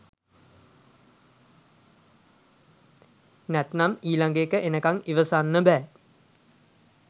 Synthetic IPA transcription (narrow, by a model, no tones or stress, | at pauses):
næt̪namiːlaŋɡeːkəʔenəkaŋiʋəsaːnːəbɛː